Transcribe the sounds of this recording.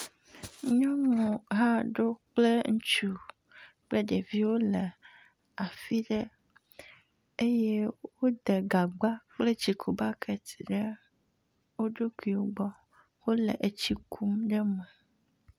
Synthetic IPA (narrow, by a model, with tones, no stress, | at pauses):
ɲɔ̃˦ŋɔ̃˨ɦa˦ɖo˦k͡ple˦ŋu˦t͡ʃu˦ | k͡pe˦ɖe˨vi˦wo˦le˨ | a˨fi˦ɖɛ˦ | e˦je˦wo˦d̪e˨ɡa˨ɡ͡ba˦k͡ple˦t͡ɕi˨kʰu˨ba˦kʰe˨t̪i̥˨ɖe˦ | wo˦ɖo˦ki˨wo˦ɡ͡bɔ˦ | wo˦lḛ˨ʔe˨t͡ɕi˦kʰu˦mɖɛ˦mõ˨